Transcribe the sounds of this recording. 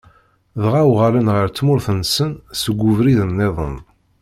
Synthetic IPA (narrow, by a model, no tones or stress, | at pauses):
ðʁawʁalənʁəɾt͡sːmʊɾθənsənsəɡʷːuvɾiðənːeðˤə̰n